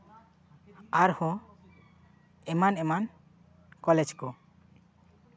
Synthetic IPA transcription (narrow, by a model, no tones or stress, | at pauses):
aɾhõ | ɛmanɛman | kɔled͡ʒko